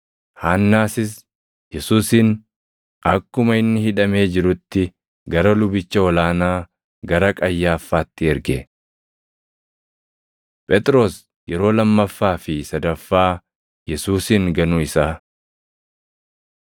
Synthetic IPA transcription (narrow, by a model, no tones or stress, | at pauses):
haːnːaːsɪs̬ | jɛsuːsɪn | ɐkːʊmɐɪnːɪhɪᶑɐme̞ːd͡ʒɪɾʊt̪ːɪ | ɡɐɾɐlʊbɪt͡ʃːɐɔlaːnaː | ɡɐɾɐkʼɐjːaːfːaːt̪ːɪɛɾɡɛ | pʼɛt̪ʼɾo̞ːs | jɛɾo̞ːlɐmːɐfːaːfɪsɐd̪ɐfːaː | jɛsuːsɪŋɡɐnʊɪsaː